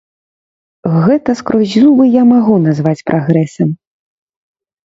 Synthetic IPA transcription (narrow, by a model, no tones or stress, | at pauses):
ɣɛt̪ɐskɾɔzʲzubɨjamaɣunazvat͡sʲpɾʔaɣɾɛsɐm